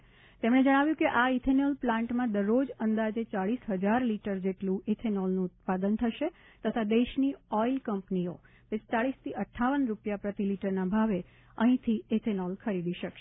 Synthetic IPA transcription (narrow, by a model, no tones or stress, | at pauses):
t̪emɽ̃ed͡ʒəɽ̃aʋjũkeʔait̪ʰenɔlplãɳʈmãd̪əɾːod͡ʒənd̪ad͡ʒet͡ʃaɭisɦəd͡ʒaɾliʈəɾd͡ʒeʈlũʔet̪ʰenɔlnũːt̪pad̪ənt̪ʰəʃe | t̪ət̪ʰad̪eʃniɔilkəmpnio̰ | pɪst̪aɭist̪ʰiʔəʈʰːaʋənɾupjapɾət̪iliʈəɾnabʱaʋe | əɦĩt̪ʰiet̪ʰenɔlkʰəɾid̪iʃəkʃe